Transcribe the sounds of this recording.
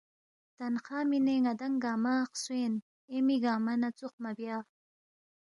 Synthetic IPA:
t̪anqɑːmineŋad̪aŋɡaːmaxswen | emiɡɑːmanat͡suqmabjɑː

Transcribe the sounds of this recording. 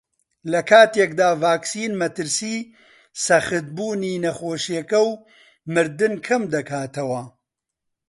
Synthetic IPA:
lɐkʰaːt̪eːk̚d̪aːvaːksiːnmɐt̪ɨɾsiː | sɐxɨt̪̚buːniːnɐxoːʃjekɐw | mɨɾd̪ɨnkʰɐmd̪ɐkʰaːt̪ɐwɐ

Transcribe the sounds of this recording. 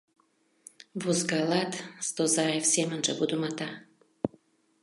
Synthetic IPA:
vuzɡalˠat̪st̪ozaefsemənʒə̰bud̪umat̪a

